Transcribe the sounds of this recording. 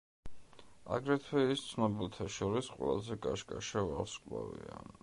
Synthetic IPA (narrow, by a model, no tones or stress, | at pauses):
a̰ɡɾɛt̪ʰwɛist̪sʰnɔbilt̪ʰaʃɔɾisqʼwɛlazɛkʼaʃkʼaʃavaχskʼlavia